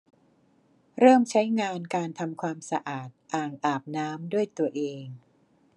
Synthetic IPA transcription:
ɾɤː˥˩mt͡ɕʰa˦˥jŋaː˧nkaː˧nt̪ʰa˧mkʰwaː˧msa˧ʔaː˨˩t̪̚ʔaː˨˩ŋʔaː˨˩p̚naː˦˥mdu˥˩əjt̪u˧ɐʔeː˧ŋ

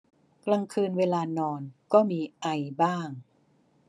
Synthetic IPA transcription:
kla˧ŋkʰɯː˧nweː˧laː˧nɔː˧nkɔː˥˩miː˧ʔa˧jbaː˥˩ŋ

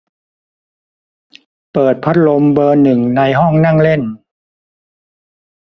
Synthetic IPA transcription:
pɤː˨˩t̪̚pʰa˦˥t̪̚lo˧mbɤː˧nɯ˨˩ŋna˧jɦɔ˥˩ŋna˥˩ŋle˥˩n

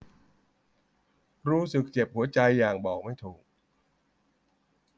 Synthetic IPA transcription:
ɾuː˦˥sɯ˨˩k̚t͡ɕe˨˩p̚hu˩˦ɐt͡ɕa˧jːaː˨˩ŋbɔː˨˩k̚ma˥˩jt̪ʰuː˨˩k̚

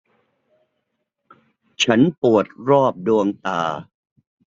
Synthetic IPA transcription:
t͡ɕʰa˦˥npu˨˩ət̪̚ɾɔː˥˩p̚du˧əŋt̪aː˧

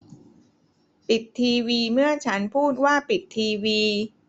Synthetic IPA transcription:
pi˨˩t̪ʰːiː˧wiː˧mɯ˥˩ət͡ɕʰa˦˥npʰuː˥˩t̪̚waː˥˩pi˨˩t̪ʰːiː˧wiː˧

